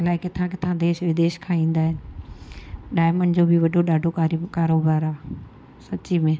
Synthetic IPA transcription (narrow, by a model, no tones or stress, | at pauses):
laːɪkɪt̪ʰãkɪt̪ʰãd̪eːʃʋɪd̪eːʃkʰãĩːn̆d̪aːɦɪnɪ̆ | ɗaːɪmənd͡ʑoːbʱɪʋɐɖʱoɗaːɖʱokakaːɾoːbaːɾaː | sɐt͡ɕimẽː